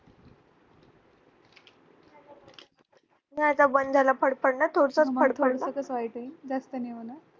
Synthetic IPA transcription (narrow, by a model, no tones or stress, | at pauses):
nat͡sabənd͡zʱalapʰəɽpəɽɳat̪ʰoɽsəmʰəɽʰoɽsəkəsʋajʈəind͡zast̪əneʋənə